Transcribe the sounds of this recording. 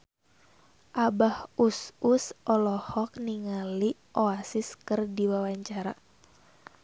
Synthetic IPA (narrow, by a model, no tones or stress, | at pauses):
ʔabahususʔɔlɔhɔk̚niŋaliʔoasiskɨrdiwawaɲt͡ʃaɾa